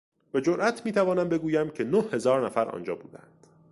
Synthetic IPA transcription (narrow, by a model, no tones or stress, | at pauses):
be̞d͡ʒoɾʔæt̪ʰmiːt̪ʰævɒːnæmbe̞ɡuːjæmcʰe̞nohhe̞zɒːɾnæfæɾɒ̰ːnd͡ʒɒ̰ːbuːd̪æ̰nd̪̥